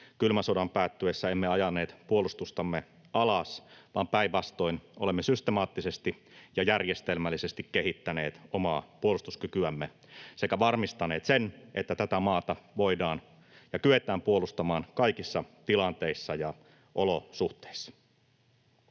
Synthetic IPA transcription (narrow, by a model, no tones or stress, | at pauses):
kylmæsodɑmpæːt̪ːyesːæemːeɑjɑnːeːt̪puolust̪ust̪ɑmːe | ɑlɑsʋɑːmpæiʋʋɑst̪o̞inolemːesyst̪emɑːt̪ːisest̪ijɑjærjest̪elmælːisest̪ikːeɦit̪ːæne̞̰ːt̪omɑːpuolust̪uskykyæmːe | se̞kæʋɑrmist̪ɑne̞ːt̪senʔet̪ːæt̪æt̪æmɑːt̪ɑʋo̞idɑːn | jɑkyʋe̞t̪æːmpuo̞lust̪ɑmɑːnkɑikisːɑt̪ilɑnt̪e̞isːɑjɑ | ʔolosuht̪e̥isːɑ̥